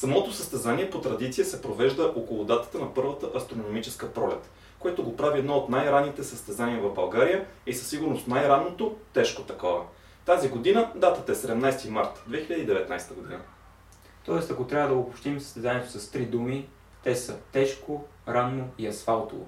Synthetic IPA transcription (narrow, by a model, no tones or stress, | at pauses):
sɐmɔt̪osəst̪ɛzaniɛpot̪ɾɐd̪it̪sijəsɛpɾovɛʒd̪əʔokolˠod̪at̪ə̥t̪ənɐpɤɾvət̪əʔɐst̪ɾonomit͡ʃɛskəpɾɔlɛt̪ | koɛt̪oɡopɾaviɛd̪nɔot̪najɾanit̪ɛsəst̪ɛzaniəvɐvbɐlˠɡaɾijəisəsːiɡʊɾnost̪najɾannot̪ot̪ɛʃkot̪ɐkɔvə̰ | t̪aziɡod̪inəd̪at̪ət̪ɐɛsɛd̪ɛmnajst̪imaɾt̪d̪vɛxiʎʲəd̪id̪ɛvɛt̪na̰jst̪əɡod̪ḭnə̰ | t̪ɔɛst̪ɐkot̪ɾʲavəd̪ɐoːpopʃt̪imsə̥st̪ɛzanʲiɛt̪osɐst̪ɾid̪umi | t̪ɛsət̪ɛʃkoɾanːoiɐsfalˠt̪ovo̰